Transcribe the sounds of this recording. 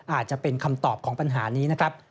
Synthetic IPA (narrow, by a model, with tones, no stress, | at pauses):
ʔaː˨˩t̪̚t͡ɕa˨˩ʔpe˧nkʰa˧mt̪ɔː˨˩p̚kʰɔː˩˦ŋpa˧nɦaː˩˦niː˦˥na˦˥kʰɾa˦˥p̚